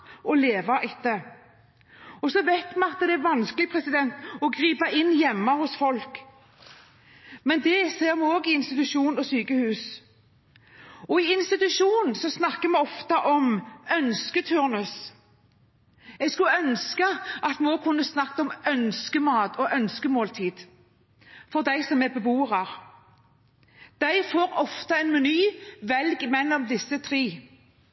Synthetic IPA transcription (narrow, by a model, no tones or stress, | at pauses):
ɔleːʋɑʔɪt̪ːə | ɔsɔʋæɪt̪mɛɑt̪ːd̪ɛæɾʋɑnskəlɪpʰʁɛsɪd̪ɛnt̪ɔɡʁiːpɑʔɪnːjɛmːɑhʊsfɔlk | mɛnd̪ɛseːʁmɛoːɡɪɪnst̪ɪt̪ʉʃuːnɔsyːkəhʉːs | ɔɪɪnst̪ɪt̪ʉʂuːnn̩sɔsnɑkːəmɛɔft̪ɑʔɔmœnskət̪ʰʉʁnʉs | ɛɡskʉœnskəʔɑt̪mɛoːɡkʰʊnːəsnɑkːɔmœnskəmɑːd̪ɔʔœnskəmoːlt̪ʰiːd̪̥ | fɔʁd̪æɪsɔmɛbəbuːəʁɑɾ | d̪̥æɪfoːɾɔft̪əɛnmɛnyːʋɛlɡmɛlːɔmd̪ɪsːət̪ʰɾiː